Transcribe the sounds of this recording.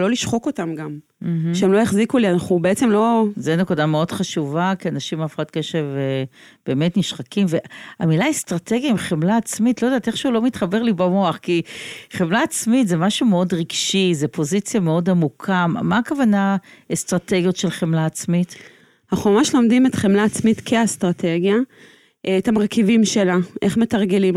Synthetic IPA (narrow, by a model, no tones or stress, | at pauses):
lo̞liʃχoko̞tamɡam | m̩ʃeemlo̞jaχzikulianaχubeeɛt͡semlo̞zenekudame̞o̞d̥χaʃuvakianaʃimafe̥χat̚ke̞ʃe̞veb̥e̞ːme̞tniʃχakimveamilaestʁate̞ɡjaimχemlaːt͡smitlojdaːteχʃeulo̞mit̪χabe̞ʁlibamo̞aχkiχemlaːt͡smitze̞maʃumeo̞dʁiɡʃizepo̞zit͡sjame̞o̞damukʰammaːkavana | est̪ʁate̞ɡjo̞tʃe̞lχemlaːt͡smit | haχomaʃelo̞md̪imet̪χemlaːt͡smit̪kʰeastʁatʰe̞ɡja | ʔetamaʁkivimʃelaʔeχme̞taʁɡelim